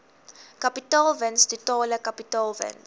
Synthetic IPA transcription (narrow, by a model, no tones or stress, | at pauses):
kapitalvənsditɔːləkapitɔlvə̰ns